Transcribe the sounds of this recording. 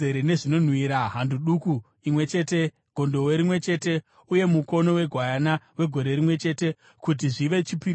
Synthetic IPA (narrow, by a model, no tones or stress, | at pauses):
eɾene̞ʐino̞n̤wiɾaɦanduɗuku | imwe̞t͡ʃe̞ːte̞ | ɡ̥ʱo̞ndo̞weɾimwe̞t͡ʃe̞ːte̞ | uje̞muko̞no̞we̞ɡʱwajanawe̞ɡʱo̞ɾe̞ɾimwe̞t͡ʃe̞te̞ | kut̬iʐiʋe̞t͡ʃipiɾ